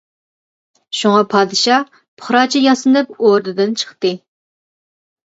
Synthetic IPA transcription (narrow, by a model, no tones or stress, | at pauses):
ʃuŋɑpʰɑːd̪ɨʃɑ | pʰəχɾɑːt͡ʃʰijɑsɨnɨpoɾd̪ɨd̪ɨnt͡ʃʰə̥χt̪ɨ